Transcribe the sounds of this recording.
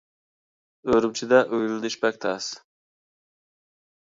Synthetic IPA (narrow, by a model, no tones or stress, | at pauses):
øɾymt͡ʃʰid̪ɛʔøjlɪd̪yʃbɛk̚ʲt̪ʰɛs